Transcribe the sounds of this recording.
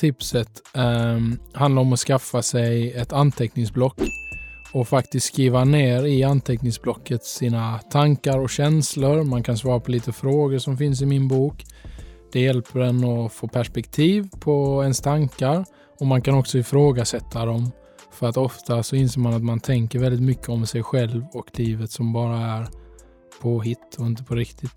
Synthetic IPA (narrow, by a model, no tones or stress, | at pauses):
t̪ʰɪpsət̪ | hand̪aɾɔmɔskafːasɛjɛt̪ant̪ʰɛknɪŋsblɔkː | ɔfakt̪ɪst̪skɾiːvaneːɾɪant̪ʰɛknɪŋsblɔkːət̪siːnat̪ʰaŋkaɾɔɕɛnsləɾmankʰansvɑːɾapʰɔliːt̪əfɾoːɡəʂɔmfɪns̬ɪmɪnbuːkd̪̥ɛjɛlpʰəɖɛnɔfoːpʰæʂpɛkt̪ʰiːvpʰɔɛnst̪ʰaŋkaɾ | ɔmankanɔksɔɪfɾoːɡasɛt̪ʰːad̪ɔm | fœɾat̪ɔft̪asɔɪnseːɾmanat̪mant̪ʰɛŋkəɾvɛld̪ɪt̪mʏkʰːəɔmsɛjɧɛlvɔkliːvət̪sɔmbɑːɾaæɾ | pʰɔɦɪt̪ːɔɪnt̪̬əpʰɔɾɪkt̪ʰɪt̪